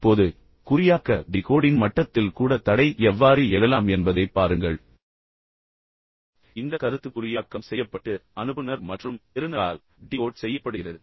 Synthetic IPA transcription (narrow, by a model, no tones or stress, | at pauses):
pːoːðɯ | kʊɾɪjaːkːɐɖɪkoːɽɪnmɐʈːɐt̪ːɪlkuːɽɐt̪ɐɽɐɪʔɛʋːaːɾiɛlɐlaːmɛnbɐðɐɪpːaːɾɯŋɡɐɭ | ɪnd̪ɐkɐɾɯt̪ːɯkʊɾɪjaːkːɐmsɛjːɐpːɐʈːɯɐnɯbɯnɐɾmɐʈrɯmɛɾɯnɐa̰ːl | ɖɪkoːɽsɛjːɐpːɐɽɯɣɪrɐðɯ